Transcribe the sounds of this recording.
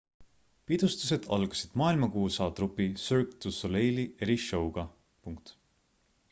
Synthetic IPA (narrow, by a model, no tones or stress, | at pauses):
pid̪̥ust̪u̥se̞d̪̥ɑ̰lɡ̥usid̪̥mɑːilmɑkuːsɑːd̪̥rupːisørt̪usolejlieɾiʃowɡ̥ɑ | puŋkt̪